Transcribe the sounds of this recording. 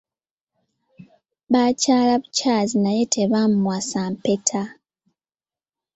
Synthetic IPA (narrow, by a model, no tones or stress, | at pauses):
βacaːlaβucaːzinaje̞tʰe̞βammwasampe̞tʰa